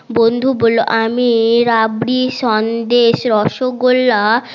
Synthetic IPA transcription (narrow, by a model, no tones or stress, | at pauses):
bond̪ʱuboloʔamiɾabɽiʃɔnd̪eʃɾɔʃoɡolːa